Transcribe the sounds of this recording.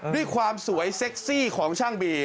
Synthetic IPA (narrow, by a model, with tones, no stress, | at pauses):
du˥˩əjkʰwaː˧msu˩˦əjse˦˥k̚siː˥˩kʰɔː˩˦ŋt͡ɕʰaː˥˩ŋbiː˧